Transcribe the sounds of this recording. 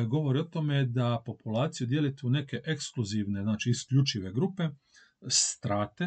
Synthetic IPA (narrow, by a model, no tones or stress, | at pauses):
ɡo̞ʋo̞ɾio̞t̪omed̪apo̞pulaːt̪sijud̪jelit̪une̞ke̞ʔekskluziʋne̞znaːt͡ʃiːskʎʲut͡ʃiʋe̞ɡɾupe̞ | st̪ɾaːt̪e